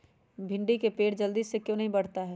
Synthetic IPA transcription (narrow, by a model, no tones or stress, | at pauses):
bʱɪ̃ɳɖikepeːʈd͡ʒɐld̪iːsːekjõːnɐɦĩbɐɽ̤t̪aɦɛː